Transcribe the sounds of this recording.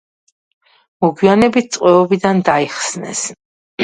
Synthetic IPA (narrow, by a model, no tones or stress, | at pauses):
mɔɡwianɛbit̪̚ʰt̪sʼqʼwɛɔbid̪and̪aiχsnɛ̰s